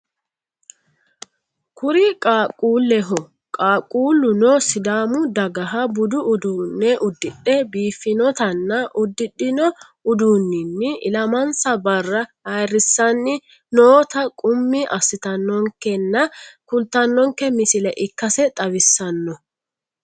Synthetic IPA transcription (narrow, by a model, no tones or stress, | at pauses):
kʊɾɪkʼaːkʼuːlːɛɦɔ | kʼaːkʼuːlːʊnɔsɪd̪aːmʊd̪ɐɡɐɦɐbʊd̪ʊʔʊd̪uːnːɛʔʊd̪ːɪᶑːɛbiːfːɪnɔt̪ɐnːɐʔʊd̪ːɪɗːɪnɔ | ʊd̪unːɪnːɪʔɪ̰lɐmɐnsɐbɐrːɐhɐjrːɪsːɐnːɪ | noːt̪ɐkʼʊmːiɪʔɐsːɪt̪ɐnːɔŋkːɛnːɐkʊnt̪ːɐnːɔŋkːɛmɪsɪlɛʔɪkːɐsɛt̪ʼɐwɪsːɐnːɔ